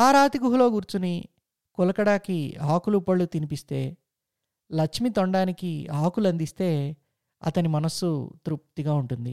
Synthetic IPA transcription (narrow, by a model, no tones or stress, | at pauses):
aːɾaːt̪ikuɦulo̞ːɡuɾt͡ʃuni | kɔlɐkɐɽaːkiaːkulupɐɭːut̪inipist̪e̞ː | lɐkʂmit̪ɔɳɖaːnikiaːkulɐnd̪ist̪e̞ː | ɐ̰t̪ɐnimɐnɐsːut̪ɾup̚t̪iɡaːuɳʈund̪i